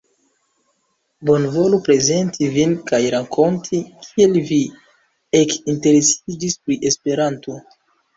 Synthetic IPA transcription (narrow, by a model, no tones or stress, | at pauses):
bo̞nvo̞lupɾe̞ze̞ntʰivinkajɾakʰo̞ntʰikʰie̞lvi | e̞kinte̞ɾe̞sid͡ʒispɾiʔe̞spe̞ɾanto̞